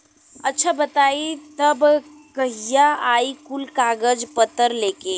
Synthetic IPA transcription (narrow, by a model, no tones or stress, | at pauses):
ɐtːʃʰabɐt̪aːit̪ɐb | kɐɦijaaːikʊlkaːɡəd͡ʒpət̪ːəɾleːkeː